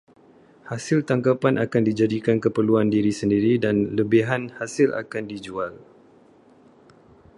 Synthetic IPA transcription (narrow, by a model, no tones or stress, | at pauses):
hasɪlt̪aŋkapanʔakandid͡ʒadikankəpəluandiɾisəndiɾidanləbiɦanhasɪlʔa̰kandid͡ʒual